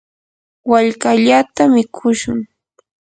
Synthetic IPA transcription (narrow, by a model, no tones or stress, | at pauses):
waʎkaʎat̪amɪkʰʊʃʊŋ